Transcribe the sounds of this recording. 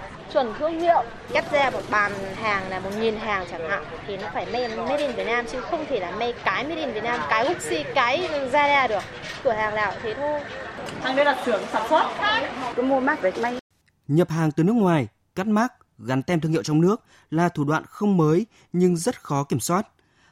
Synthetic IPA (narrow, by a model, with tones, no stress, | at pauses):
t͡ɕwə˧˩nt̪ʰɨ˧əŋhḭ˧˨əw | ka˦˥p̚zaː˧mo˨˩t̚ɓaː˨˩nɦaː˨˩ŋlaː˨˩mo˨˩t̚ŋi˨˩nɦaː˨˩ŋt͡ɕaː˧˩ŋha̰ː˧˨wt̪ʰi˨˩nɔ˨˦faː˧˩jma˧jme˦˥ɗi˧˩nvət̚naː˧mt͡ɕɨ̰˧ŋxə˧wŋ͡mt̪ʰe˧˩laː˨˩ma˧jkaː˨˦jme˧˥ɗi˧˩nvi˨˩ət̚naː˧mkaː˨˦jkʊ˦˥k̚si˧kaː˨˦jzaː˧ɗaː˧˩ɗɨ˨˩ək̚ | kɨ˧˩əhaː˨˩ŋla̰ː˧˨wt̪ʰe˨˦t̪ʰo˧jhaː˨˩ŋɗə˨˦la˨˩t̚t̪ɨ˨˧˩əŋsaː˧˩mswa˦˥t̚a˨˩kɔ˨˦mu˧əmaː˦˥k̚ve˨˩k̚ma˧j | ɲə˨˩p̚haː˨˩ŋt̪ɨ˨˩nɨ˦˥ək̚ŋwaː˨˩j | ka˦˥k̚maː˦˥k̚ | ɣa˨˦nt̪ɛ˧mt̪ɨ˧ŋhḭ˧˨wt͡ɕɔ˧wŋ͡mnɨ˦˥ək̚ | laː˨˩t̪ʰu˧˩ɗwa̰ː˧˨nxə˧wŋ͡mməː˨˦j | ɲɨ˧ŋzə˦˥t̚xɔ˨˦ki˧˩əmswaː˦˥t̚